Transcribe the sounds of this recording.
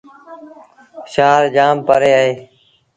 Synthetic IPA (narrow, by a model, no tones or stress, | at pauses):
ʃaːɾd͡ʒaːmpəɾeːaːɦeː